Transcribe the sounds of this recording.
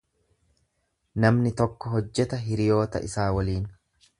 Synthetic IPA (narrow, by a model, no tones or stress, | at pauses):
nɐmnɪt̪ɔkːɔɦɔd͡ʒːɛt̪ɐɦɪɾɪjo̞ːt̪ɐ̰ʔɪsaːwɐliːn